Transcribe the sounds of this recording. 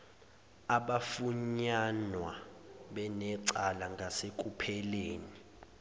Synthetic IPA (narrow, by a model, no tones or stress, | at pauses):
aɓafuɲanwaɓɛnɛǀalaŋɡʱasek̬ʼupʰɛleːni